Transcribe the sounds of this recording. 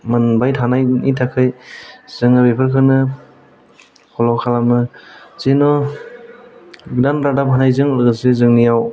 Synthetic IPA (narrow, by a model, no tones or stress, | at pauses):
manbajtʰanajnitʰakʰɯjz̥ɯŋɯbepʰaɾkʰɯnɯ | kʰɔlawkʰalamnɯzenɔ | ɡdanɾadap̚hanajzɯŋlɯɡɯsezɯŋnijaw